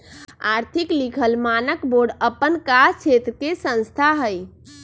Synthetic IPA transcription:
aɾt̪ʰiklikʰəlmanəkboɖəpːənkaɾt͡ʃʰet̪ɾkesə̃nst̪ʰaɦəj

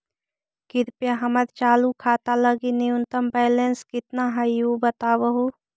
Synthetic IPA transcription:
kɪɾpjaɦəməɾt͡ʃaːlukʰaːt̪aləɡinɪjʊnt̪əmpɛːlẽnskɪt̪naɦəjubət̪aːbəɦuː

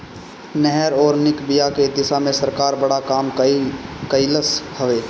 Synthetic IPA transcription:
nɛɦɛɾɔːɾnɪkbijaked̪ɪsamẽsəɾkaːɾbəɽakaːm | kəiləshəʋeː

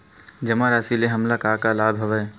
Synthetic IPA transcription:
d͡ʒɐmaɾaːsileɦɐmlakaːkalaːbʱɦɐʋɛː

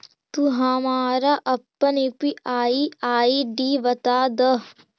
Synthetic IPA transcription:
t̪uɦamaːɾaʔɐpːɐnepiaːiaːiɖiʋɐt̪aːd̪ɐ

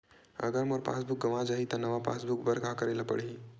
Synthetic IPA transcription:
ə̰ɡəɾmoɾpa̰sbʱuk̚ɡəʋad͡ʒaɦit̪ənəʋapa̰sbʱukbəɾɡʱakəɾeləpə̰ɽi

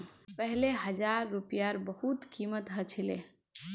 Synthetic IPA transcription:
pəɦleɦəd͡ʒaɾːupijaɾbəhut̪kimət̪ɦət͡ʃʰile

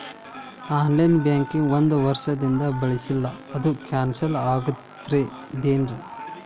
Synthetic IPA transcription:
aːnlɐjnbjaːŋkiŋɡʋond̪uʋɐɾʂɐd̪ind̪ɐbɐɭisilːɐːd̪ukaːnsɐlaːɡɐt̪ː | ɾe | d̪eːnɾu

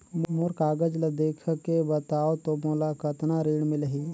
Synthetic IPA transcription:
mʊɾkaːɡəd͡ʒlɐd̪eːkʰkebət̪aːot̪omolakət̪naɾiːɽmɪləɦiː

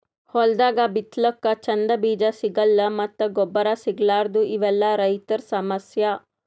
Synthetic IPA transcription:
hɔld̪aːɡabit̪lɔkːɐt͡ʃɐnd̪ɐbiːd͡ʒɐsiɡɐlːɐmɐt̪ːɐɡɔbːɐɾasiɡlaːɾd̪uʔiʋɛlːɐɾɐjt̪ɐɾsɐmɐsjɐ

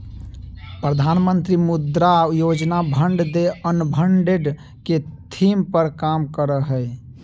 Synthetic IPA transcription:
pɾəd̪ʱanmənt̪ɾimud̪ɾajod͡ʒnabʱəɳɖd̪eənbʱəɳɖeɖ | ket̪ʰimpəɾkamkəɾəɦəj

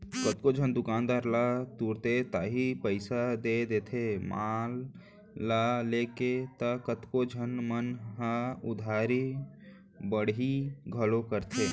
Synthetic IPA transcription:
kət̪kod͡ʒʱənd̪ʊkaːnd̪aːɾlat̪uːɾt̪et̪aːɦipəɪsad̪ed̪eːt̪ʰemaːlː | aleːket̪akət̪kod͡ʒʱənmənɦaʊd̪ʱaːɾi | bəɽiɡʱəlõkəɾt̪ʰeː

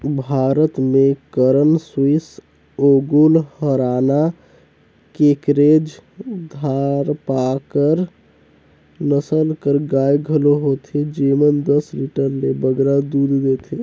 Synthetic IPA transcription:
bʱaɾət̪mekəɾənswis | oɡulhəɾana | kekɾed͡ʒd̪ʱaɾpakəɾ | nəsəlkəɾɡajɡʱəloɦot̪ʰid͡ʒemənd̪əsliʈəɾlebəɡɾad̪ud̪ʱd̪et̪ʰi

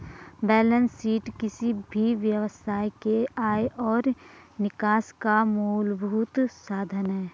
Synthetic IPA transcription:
bɛːlə̃nsiːʈkɪsibʱiʋjəʋsaːjkeaːeʔɔːɾnɪkaːskamoːlbʱuːt̪saːd̪ʱənɦɛː

